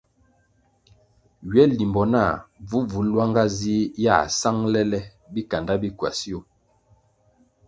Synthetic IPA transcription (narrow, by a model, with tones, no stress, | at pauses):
ɥɛ˦li˨mbɔ˨na˦˨vu˦vu˨˦lwa˦ŋɡa˦zi˦ja̰˦˨sa˦ŋlɛ˦lɛ˦ | bi˦ka˨nda˦bi˦kwa˨si˦o˦˨